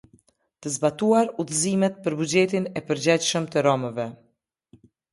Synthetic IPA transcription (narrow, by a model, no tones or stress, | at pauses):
t̪əzbat̪uaɾuθəzimɛt̪̚pəɾbud͡ʑɛt̪inɛpəɾd͡ʑɛcʃəmt̪əɾɔməvɛ